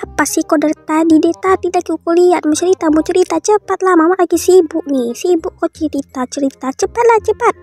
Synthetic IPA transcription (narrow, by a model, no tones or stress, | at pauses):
apasikodərt̪adidet̪at̪idaʔkiukuliat̪̚mət͡ʃəɾit̪amut͡ʃəɾit̪at͡ʃəpat̪̚lahmamaʔaɡisibʊʔ̚nisibʊʔkot͡ʃəɾit̪at͡ʃəɾit̪at͡ʃəpat̪̚laht͡ʃəpat̪̚